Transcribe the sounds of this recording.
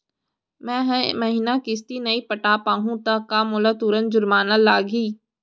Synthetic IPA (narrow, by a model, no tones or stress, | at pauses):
mɛ̃ːɦɛ̃mɐɦiːnakɪs̬t̪inɐipəʈaːpaːɦũt̪akamʊlat̪uːɾənd͡ʒʊlmaːnəlːaːɡiː